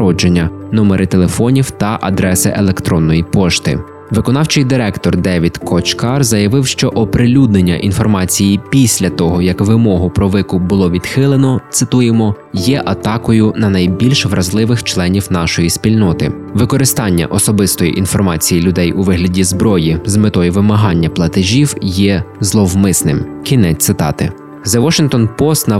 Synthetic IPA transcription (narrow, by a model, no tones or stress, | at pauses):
ɾɔd͡ʒenʲːɐ | nɔmeɾʔɪt̪elˠefɔnʲiwt̪ɐʔɐ̰d̪ɾɛsɪʔelˠekt̪ɾɔnːɔjipɔʃt̪ɪ̰ | ʋɪkɔnɑwt͡ʃɪjd̪ɪɾɛkt̪ɔrd̪ɛʋʲid̪kʰɔt͡ʃkɑrzɐjɐʋɪwʃt͡ʃɔʔɔpɾɪlʲud̪̚nenʲːɐ̰ʔinfɔrmɑt͡sʲijipʲisʲlʲɐt̪ɔɦɔjɐkʋɪmɔɦʊpɾɔʋɪkʊbʊlˠɔʋʲid̪̥xɪlˠenɔt̪sɪt̪ujemɔ | jɛʔɐt̪ɑkɔjʊnɐnɐjbʲilʲʃʋɾʔɐzlˠɪʋɪxt͡ʃlˠɛnʲiwnɑʃɔjisʲpʲilʲnɔt̪ɪ̰ | ʋɪkɔɾɪst̪ɑnʲːɐ̰ʔɔsɔbɪst̪ɔjḭʔinfɔrmɑt͡sʲijilʲʊd̪ɛjuʋɪɦlʲɐdʲizbɾɔjizmɪt̪ɔjɛʋɪmɐɦɑnʲːɐplˠɐt̪ɪʒʲiwjɛzlˠɔwmɪsnɪmkʲinɛt̪ɪt̪ɑ̰t̪ɪ̰ | zɐʋɔʃɪŋkt̪ɔnpɔst̪nɐ